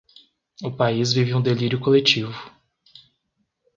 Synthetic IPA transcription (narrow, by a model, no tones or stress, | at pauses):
ʊpaizvivɪũd̪eliɾjʊkolet͡ʃivʊ